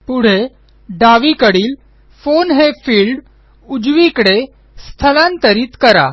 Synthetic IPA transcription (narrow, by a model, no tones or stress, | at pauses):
puɽ̤e | ɖaʋikəɽiːl | fonɦefiːlɖ | ud͡ʑʋikɽe | st̪ʰəlant̪əɾiːt̪kəɾa̰